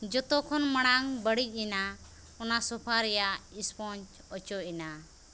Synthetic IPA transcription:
d͡ʒɔt̪ɔkʰɔnmaɽ̃aŋbəɽic̚ˀina | ɔnasɔpʰaɾɛjaispɔnt͡ʃ | ɔt͡ʃɔʔina

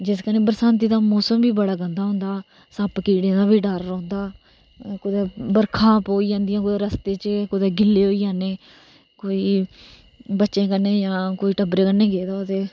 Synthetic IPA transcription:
d͡ʒɪskəneːbəɾsãːnt̪̬iːd̪aːmɔːsəmbiːbəɽaːɡənd̪aːɦʊ̃nd̪aː | səpkiːɽẽːd̪aːbiːɖəɾːɔ̃ːnd̪aː | kʊd̪eːbəɾkʰãːpoːiːd͡ʒãːnd̪ijãːkʊd̪eːɾəst̪eːt͡ʃkʊd̪eːɡɪlːeːɦoːiːjãːneː | koːiː | bətːʃẽːkənːeːd͡ʒãːkoːiːʈəbɾeːkənːẽːɡeːd̪aːt̪eː

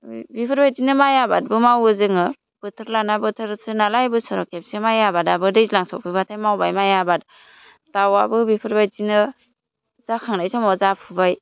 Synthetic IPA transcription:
bipʰɯɾbajzinɯmajaba̰t̚bɯmawɯzɯŋɯ | b̥ɯtʰɯɾlanabɯtʰɯɾsʰɯnalajbɯsɯɾɔkʰep̚semajabadabɯdɯjzlaŋsɔ̰pʰibatʰajmawbajmajabat̚ | tawabɯbipʰɯɾbajzinɯ | zakʰaŋnajsamɔzapʰɯbaj

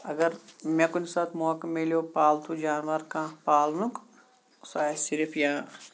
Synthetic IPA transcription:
ɐɡəɾmẽkunsaːt̪ʰmokmeljopaːlt̪ʰud͡ʒaːnʋaɾkãpaːlnuk | saːesɪɾpʰjãː

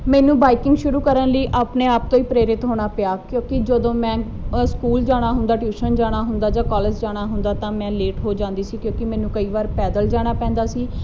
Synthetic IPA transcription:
mɛ̃ːnũːbaːikɪ̃ŋɡʃʊɾuːkəɾənləiːʔaːpneːaːp̚t̪õːiːpɾeːɾɪt̪ɦoːɽ̃aːpɪjaːkjõːkɪd͡ʒəd̪õːmɛ̃ː | skuːld͡ʒaːɽ̃aːɦʊnd̪aːʈjuːʃənd͡ʒaːɽ̃aːɦʊnd̪aːd͡ʒãːkɔːləd͡ʒd͡ʒaːɽ̃aːɦʊnd̪aːt̪ãːmɛ̃ːleːʈɦoːd͡ʒãːnd̪iːsiːkjõːkɪmɛ̃ːnũːkəiːʋaːɾpɛːd̪əld͡ʒaːɽ̃aːpɛ̃ːnd̪aːsiː

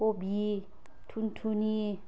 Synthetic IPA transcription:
kobi | tʰuntʰuni

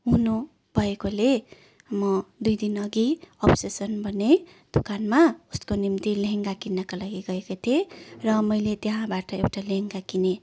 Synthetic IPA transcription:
ɦunu | b̥ʱʌekole | mʌd̪ujd̪inʌɡiʌpsesʌnbʱʌne | d̪̥ukanmauskonimt̪ileɦeŋɡakinːʌkalaɡiɡʌekot̪ʰierʌmʌjlet̪jeɦãbaʈʌewʈaleɦŋɡakine

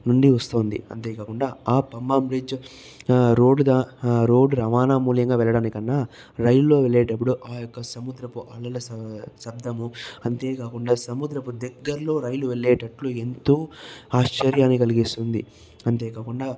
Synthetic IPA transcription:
nuɳɖiʋɐst̪oːnd̪ḭɐ̰nt̪e̞ːkaːkuɳɖaːaːpɐmːaːmbɾid͡ʒ | ɾo̞ːɖd̪aːɾo̞ːɖuɾɐʋaːnaːmuːljɐŋɡaːʋɛɭːɐɽaːnikɐnːaː | ɾɐjlːo̞ːʋeɭːeːʈɐp̬ːuɽuʔaːjɔkːɐsɐmud̪ɾɐpuʔɐlɐlɐssɐb̚d̪ʱɐmuɐnt̪e̞ːkaːkuɳɖaːsɐmud̪ɾɐpud̪ɛɡːɐɾlo̞ːɾɐjluʋeɭːeːʈɐʈlue̞nt̪uːaːʂt͡ʃɐɾjaːnːikɐliɡist̪und̪ḭ | ɐnt̪e̞ːkaːkuɳɖaː

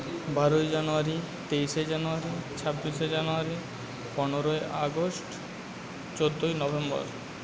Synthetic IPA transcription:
baɾojd͡ʑanuaɾi | t̪ejʃed͡ʑanuaɾit͡ɕʰabːiʃed͡ʑanuaɾi | pɔneɾoeʔaɡosʈ | t͡ɕod̪ʱːojnɔbembɔ̰ɾ

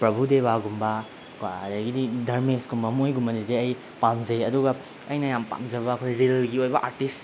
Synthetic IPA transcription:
pɾɐbʱud̪ebaɡumba | kwadaɡididʱɐɾmesɡumbɐmojɡumɐnedeɐj | pamzɐjɐd̪uɡa | ɐjnajampa̰mzɐbakʰojɾilɡiojbɐʔaɾʈis

